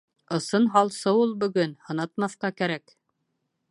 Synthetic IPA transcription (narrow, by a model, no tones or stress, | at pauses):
ɤ̆sɤnɦɑlˠsɤulˠbɵ̆ɡɵnhɤ̆nɑt̪mɑθqɑkæɾæk